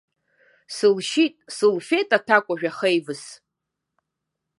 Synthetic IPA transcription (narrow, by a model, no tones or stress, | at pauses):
sɨlʃitʼsɨlfejtʼatʰakʷʼaʒᶣaχejvɨs